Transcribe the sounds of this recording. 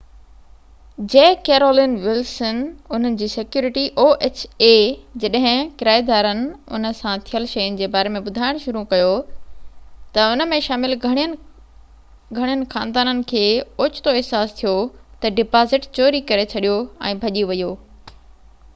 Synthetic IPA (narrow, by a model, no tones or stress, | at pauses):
d͡ʑeːkeːɾoːlɪnʋɪlsənʊn̤ənɪ̆d͡ʑiːsɪkjuːɾɪʈiʔoːʔeːt͡ɕeːd͡ʑɐɗɦɪ̃kɪɾaːid̪aːɾənɪ̆ʊ̰nə̆sãt̪ʰijəlʃɐjʊnɪ̆d͡ʑeːbaːɾemẽɓʊd̪ʱaːɪɽ̃ʃʊɾukɐjo | t̪ɐʊnə̆mẽʃaːmɪlʱɽ | ɡʱɐɽijənɪ̆xaːnd̪aːnənɪ̆kʰeːʊt͡ɕʰɪ̥t̪oɪɦsaːst̪ʰijot̪ɐɖɪpaːzɪʈt͡ɕoːɾikɐɾet͡ɕʰɐɗijoɛ̰̃ːbʱɐʄiʋɐjoː